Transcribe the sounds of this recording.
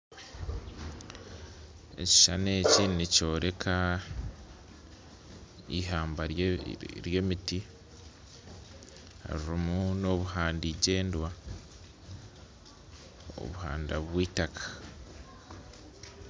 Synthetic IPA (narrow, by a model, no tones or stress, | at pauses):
ḛci̥ʃane̞ːcinico̞ːɾe̞kʰa | ḭɦaːmbaɾɾje̞ːmiti | a̰ɾiɾimuno̞βuhaːndiɟe̞ːndwa | o̰βuha̰ːndaβwiːtakʰḁ